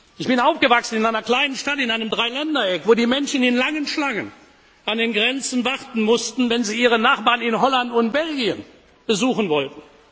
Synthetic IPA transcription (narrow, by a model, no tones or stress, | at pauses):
ɪçb̥ɪnaʊfɡ̥əvaksn̩ɪnaɪnɐkl̥aɪnənʃtatɪnaɪnəmdʁaɪlɛndɐɛkvoːdiːmɛnʃən̩ɪnlaŋənʃlaŋən | ʔandenɡʁɛnt͡sn̩vaʁtn̩mʊstn̩vɛnziːiːʁənaχb̥aːɐʁnɪnɦɔlantʊntb̥ɛlɡiən | b̥əzuːxən̩vɔltn̩